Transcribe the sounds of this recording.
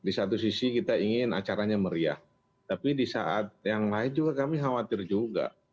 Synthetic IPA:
disat̪̬us̬isikit̪aiŋɪna̰t͡ʃaɾaɲaməɾia̰h | t̪apidisa̰ʔat̪̚jaŋlaɪnd͡ʒuɡakamiɦawat̪ɪrd͡ʒuɡa̰

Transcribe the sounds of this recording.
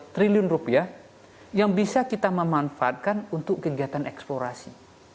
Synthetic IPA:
t̪ɾiliʊnrupiah | jaŋbisakit̪aməmanfaːt̪̚kanunt̪ʊkːəɡiat̪anʔɛksploɾasi

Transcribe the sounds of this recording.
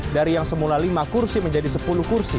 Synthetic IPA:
daɾijaŋsəmulalimakursiməɲd͡ʒadisəpuluhkursi

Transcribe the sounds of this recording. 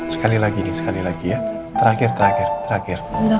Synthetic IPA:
sə̥kalilaɡinɪsə̥kalilaɡija | t̪əɾaxɪrt̪əɾaxɪrt̪əɾaxɪr

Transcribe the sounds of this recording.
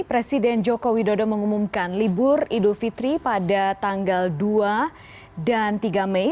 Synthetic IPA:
pɾesidɛnd͡ʒokowidodɔməŋumumkanlibʊridufit̪ɾipadat̪aŋɡaldua | dant̪iɡamɛ

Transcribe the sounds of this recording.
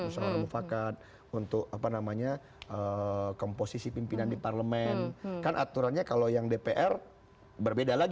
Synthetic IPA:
usao̰ɾaŋmufakat̪̚ | unt̪ʊk̚apanamaɲa | ʔəkomposisipimpinandiparləmɛnkanʔa̰t̪uɾanɲakalojaŋdepeʔɛr | bərbedalaɡ

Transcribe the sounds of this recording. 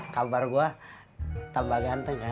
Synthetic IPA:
kabarɡua | t̪ambaɡant̪aka

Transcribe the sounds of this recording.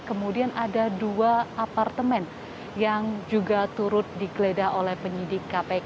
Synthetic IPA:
kəmudianadaduaapart̪əmɛn | jaŋd͡ʒuɡat̪uɾʊt̪̚diɡəledaolɛhpəɲidɪkːape

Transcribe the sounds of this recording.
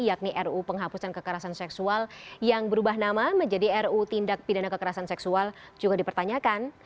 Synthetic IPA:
jak̚niʔɛrupəŋɦapusankəkəɾasansɛksualjaŋbəɾubaɦnamaməɲd͡ʒadiɛrut̪indak̚pidanakəkəɾasansɛksual | d͡ʒuɡadipərt̪aɲakan

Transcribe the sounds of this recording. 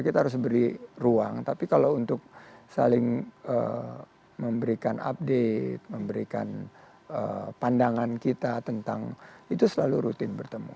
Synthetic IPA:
kit̪aɦaɾʊs̬bəɾirua̰ŋt̪apikalawunt̪ʊk̚sa̰lɪŋə̰ | məmbəɾikana̰p̚det̪̚məmbəɾika̰n | ə̰pandaŋankit̪at̪ənt̪a̰ŋit̪usəlaluɾut̪ɪnbərt̪əmṵ

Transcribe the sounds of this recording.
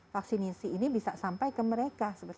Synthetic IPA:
fak̚sinisiːnibisasampajkəməɾekasəbər

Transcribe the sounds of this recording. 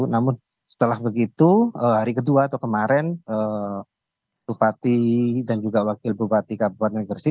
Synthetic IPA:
namʊn | sə̥t̪əlahbəɡit̪uəɦaɾikəduat̪ɔkəmaɾɛnəː | bupat̪idand͡ʒuɡawakɪlbupat̪ikabuat̪̚ŋaɡərsi

